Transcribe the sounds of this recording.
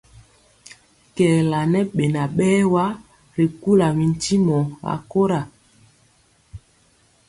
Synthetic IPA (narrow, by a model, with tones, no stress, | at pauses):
kɛː˨la˨nɛ˦ɓe˨na˨ɓɛː˦wa˦ | ɾi˨ku˦la˨mi˨n˨ti˦mɔ˨a̰˨ko˦ɾa˨